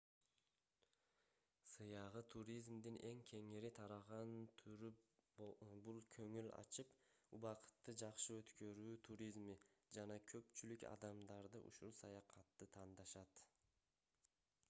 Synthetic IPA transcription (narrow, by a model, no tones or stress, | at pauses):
sɯjɑʁɯt̪ʰuɾʲizmd̪inʔe̞ŋkʲʰe̞ŋiɾit̪ʰɑɾɑʁɑnt̪ʰyɾ | bulˠkʰøŋylɑ̰t͡ʃɯpuβɑqɯ̥t̪ːɯd͡ʒɑqʃɯø̞t̪kø̞ɾyːt̪ʰuɾʲizmid͡ʒɑnɑkʰø̞pt͡ʃylykɑ̰d̪ɑmd̪ɑɾd̪ɯʔṵʃulˠsɑjɑqʰɑt̪ːɯt̪ʰɑnd̪ɑʃɑt̪